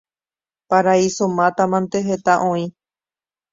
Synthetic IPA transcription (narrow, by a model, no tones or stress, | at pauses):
paɾaisõmãt̪amãnt̪eɦet̪aʔõĩ